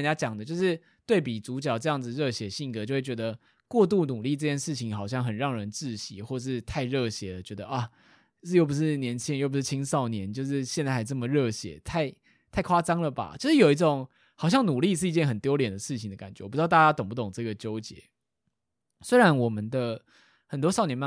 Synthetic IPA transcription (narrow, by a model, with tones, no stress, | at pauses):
ja˥t͡ɕjɑ˨˩ŋd̪ə˦t͡ɕjo˥˧ʊʂɻ̩˥˧ | t̪we˥˩ɪp̬i˨˩t͡su˧˥t͡ɕjɑ˨˩ʊʈ͡ʂɤ˥˧jɑ˥˩ŋd͡zɹ̩˨˩ɻɤ˥˧ɕjɛ˨˧˥ɕi˥˩ŋkɤ˧˥t͡ɕjo˥˧wt͡ɕɥɛ˧˥d̪ə˧ | kwɔ˥˧t̪u˥˩nu˨˩li˥˧ʈ͡ʂɤ˥˧t͡ɕʰjɛ˥˧nʂɻ̩˥˩t͡ɕʰi˧˥˦ŋxɑ˨˩ʊɕjɑ˥˩ŋxə˨˩nɻɑ˥˩ŋɻə˧˦nt͡sɹ̩˥˩ɕḭ˨˦xwɔ˥˧ʂ̬ɻ̩˥˧t̪ʰa˥˧ɪɻɤ˥˧ɕjɛ˨˥˦d̪ə˨˩t͡ɕɥɛ˧˥d̪ə˧ʔa˨˩˥ | jo˥˩ʊp̬u˧˥ʂɻ̩˥˩njɛ˧˦˥nt͡ɕʰi˥ŋjo˥˩p̬u˧˥ʂɻ̩˥˩t͡ɕʰi˥ŋsɑ˥˩ʊnjɛ˧˦nt͡ɕjo˥˧ʊʂ̬ɻ̩˥˧ɕjɛ˥˧nt͡sa˥˩ɪxa˥ɪʈ͡ʂɤə˥˩mə˩ɻɤ˥˩ɕjɛ̰˧˦t̪ʰa˥˧ɪ | t̪ʰa˥˩ɪkʰwa˥t͡sɑ˥ŋlə˨ba̰˨˩t͡ɕjo˥˧ʂɻ̩˥˩jo˨˩ʊi˧˥t͡so˨˦ŋ | xɑ˨˩ʊɕjɑ˥˩ŋnu˨˩li˥˧ʂ̬ɻ̩˥˩i˧t͡ɕjɛ˥˩nxə˨˩nt̪jo˥ʊljɛ˨˩nd̪ə˩ʂɻ̩˥˩t͡ɕʰi˨˩ŋd̪ə˦˩ka̰˨˩nt͡ɕɛ˧˦˨pu˧˥˧t̪t͡ɕja˥t̪ŋp̬u˥˩t̪ʊ˨˩ŋʈ͡ʂɤ˥˧˩ɡə˩t͡ɕjo˥ʊt͡ɕjɛ̰˨˦ | swe˥ɪɻa˧˦nwɔ˨˩mə˦nd̪ə˧ | hə˨˩nt̪wɔ˥sɑ˥˩ʊnjɛ˧˥nma˥˨